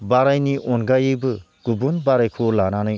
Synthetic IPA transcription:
baɾajniʔɔnɡajɯbɯ | ɡ̥ubunbaɾajkʰulananɯj

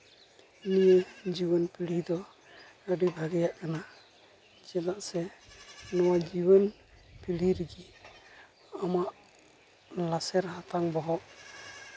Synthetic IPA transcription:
nijəd͡ʒiwənpilid̪ɔ | əɖibʱaɡɛjaʔkana | d͡ʒɛlaʔsɛ | nɔwad͡ʒiwən | piliɾɡi | amaʔ | lasɛɾhat̪aŋbɔɦɔʔ

